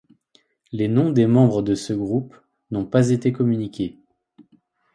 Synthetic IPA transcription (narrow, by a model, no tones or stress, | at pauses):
lenɔ̃d̪emɑ̃bʁəd̪əsəɡʁup | nɔ̃pazet̪ekɔmynikʲe